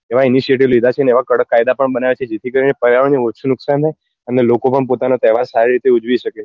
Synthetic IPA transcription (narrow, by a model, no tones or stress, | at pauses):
eʋainiʃieʈiʋlid̪ʱat͡ʃʰeneeʋakəɽəkːajd̪apəɳbənaʋet͡ʃʰed͡ʒet̪ʰikəɾinepəɾjaʋəɳneutːt͡ʃʰunʊksant̪ʰaj | ənelokopəɳpot̪anot̪ɛʋasaɾiɾit̪eud͡ʒʋiʃəke